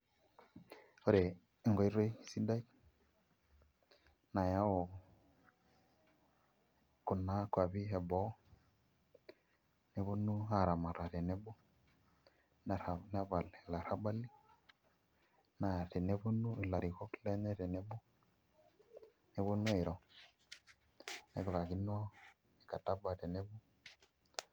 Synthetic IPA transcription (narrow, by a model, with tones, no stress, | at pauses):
o˦ɾe˨ | ŋɡɔ˨˦i˦ɾe˦i˦si˦da˦i | na˨ja˦o˨ | kʊ˨na˦kwa˨βi˦ɦɛ˨bɔ˨˦ | ne˦βo˦nu˦a˨ɾa˨ma˨ɾa˨ɾe˨ne˦bo˦ | n˨nɛ˦βa˨lla˨ɾa˦ba˦li˦ | na˨ɾe˨ne˦βu˦nu˦˨la˨ɾi˨ɣɔ˦klɛ˦ɲɛ˦ɾe˨ne˦bu˦ | ne˨βo˦nu˦e˨ɾɔ˨ | nɛ̰˨kɾa˨ɣi˦nɔ˦ | e˨ka˨ta˦ba˨te˨ne˦βu˦